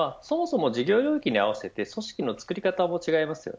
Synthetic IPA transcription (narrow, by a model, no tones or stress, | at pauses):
aso̞mo̞so̞mo̞d͡ʑiɡʲo̞ːɾjo̞ːikʲiɲ̟iaβ̞ase̞t̪e̞so̞ɕi̥kʲino̞t͡sɨ̥kɯ̟ɾʲikat̪amo̞t͡ɕiɡaimasɨjo̰